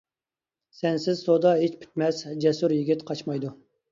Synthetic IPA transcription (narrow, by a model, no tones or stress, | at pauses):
sɛnsɪzsod̪ɑɦet͡ʃpʰy̥t̪mɛsd͡ʒɛsuɾjiɡʲɪt̪qʰɑt͡ʃmɑjd̪u